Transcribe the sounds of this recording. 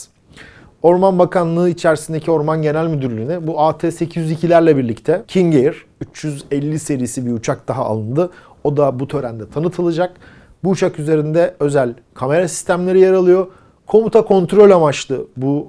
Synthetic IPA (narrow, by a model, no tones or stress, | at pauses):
o̞ɾmanbakʰanlˠɯːit͡ʃʰæɾsind̪ecʰio̞ɾmanɟe̞nælʲmyd̪yɾlʲyːnybuaːt̪ʰeːse̞cʰizjyzicʰilʲæɾlʲɛbiɾlʲict̪ʰɛcʰinɟejɾyt͡ʃjyzɛlʲːise̞ɾijsibiut͡ʃʰak̚d̪̥aɦaa̰lˠɯnd̪ɯ | o̞d̪abut̪ʰø̞ɾænd̪ɛt̪ʰanɯt̪ʰɯlˠɯd͡ʒak | buːt͡ʃʰakyze̞ɾind̪ɛø̞zælʲ | kʰame̞ɾasi̥st̪ʰæmlʲe̞ɾijaɾalˠɯjo̞ | kʰo̞mut̪ʰakʰo̞nt̪ɾo̞lʲamat͡ʃt̪ɯbu